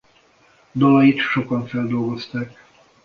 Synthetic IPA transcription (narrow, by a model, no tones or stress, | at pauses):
d̪ɒlɒjit̪ʃo̞kɒɱfɛld̪o̞lɡo̞st̪ak